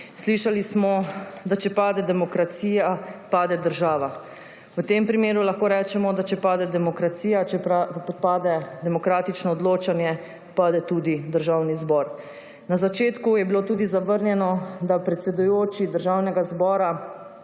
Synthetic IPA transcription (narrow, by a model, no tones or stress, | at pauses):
sliʃalismɔd̪at͡ʃɛpaːd̪ɛd̪ɛmɔkɾat̪siːjapaːd̪ɛd̪əɾʒaːʋa | wət̪empɾimeːɾulaxkoːɾɛːt͡ʃɛmɔd̪at͡ʃɛpaːd̪ɛd̪ɛmɔkɾat̪siːjat͡ʃɛapɔt̪paːd̪ɛd̪ɛmɔkɾaːt̪it͡ʃnɔːd̪loːt͡ʃanjɛ | paːd̪ɛt̪uːd̪id̪əɾʒawnizbɔɾ | nazat͡ʃeːt̪kujɛbiloːt̪uːd̪izaʋəɾnjɛnɔd̪apɾɛt̪sɛd̪ujoːt͡ʃid̪əɾʒawnɛɡazbɔːɾa